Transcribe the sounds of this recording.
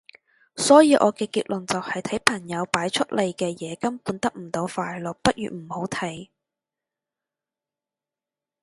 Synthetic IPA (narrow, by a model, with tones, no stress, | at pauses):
sɔː˨˥jiː˨˧ʔɔː˨˧kɛː˧kiː˧t̚lɵ˨˩ŋt͡sɐ˨whɐ˨jt̪ʰɐ˨˥jpʰɐ˨˩ŋjɐ˨˧wpaː˨˥jt͡ʃʰɵ˥t̚lʔe˨jkɛː˧jɛː˨˧kɐ˥mpuː˨˧nt̪ɐ˥k̚m̩˨˩t̪o˨˧wfaː˨jlɵ˨˩k̚pɐ˥t̚jy̰ː˨˩m̩˨˩ho˨˥wt̪ʰɐ˨˥j